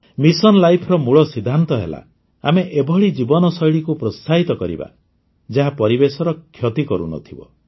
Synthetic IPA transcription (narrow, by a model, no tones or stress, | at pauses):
misɔnlajpʰɔɾɔmuɭɔsid̪ʱːant̪ɔɦḛla̰ | a̰meʔebʱɔɭid͡ʒibɔnɔsɔjɭikupɾɔst̪ʰaɦit̪ɔkɔɾḭba̰ | d͡ʒaɦapɔɾibesɔɾɔkʰːjɔt̪ikɔɾṵnɔ̰t̪ʰibɔ̰